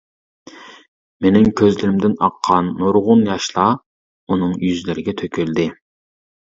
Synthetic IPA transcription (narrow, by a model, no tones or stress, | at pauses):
menɪmkʲʰøzlɪɾɪmd̪ɪnɑqʰːɑnːoɾʁʊnjɑʃlˠɑ | unɨŋjyzlɪɾɪɡʲɛt̪ʰøkʲʰyld̪ɪ